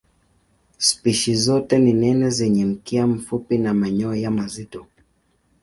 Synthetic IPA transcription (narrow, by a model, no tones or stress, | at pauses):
spiʃizɔtɛninɛnɛzɛɲɛm̩kiam̩fupinamaɲɔjamazitɔ